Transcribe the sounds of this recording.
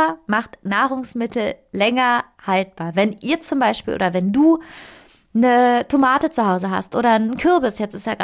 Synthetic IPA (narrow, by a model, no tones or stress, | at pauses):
ɐmaχtnaːʁ̞ʊŋsmɪtʰl̩lɛŋɐ | halt̚b̥aːɐvɛnʔiːɐt͡sʊmbaɪʃpiːlʔoːdɐvɛnduː | nətʰomaːtət͡suhaʊzəɦa̰stʔo̰ːɾɐnkʰɪɐbɪsjɛt͡sɪsjaːɡ